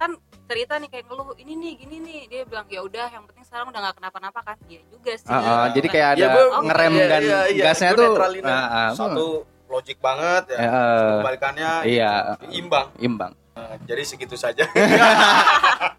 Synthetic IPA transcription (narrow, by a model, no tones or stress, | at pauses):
kant͡ʃəɾit̪anikajaŋəlʊhininɪhɡininɪhdiabilaŋijaudahjaŋpənt̪ɪŋsəkaɾaŋudahŋɡaʔkənapanapakandiad͡ʒuɡasəʔəd͡ʒadikajakajdaŋəɾɛmdanaɡasɲat̪ualinəʔəau | lod͡ʒɪk̚baŋət̪̚jaəʔəbalikanɲaija̰imbaŋḭmba̰ŋ | əd͡ʒadisəɡit̪usad͡ʒa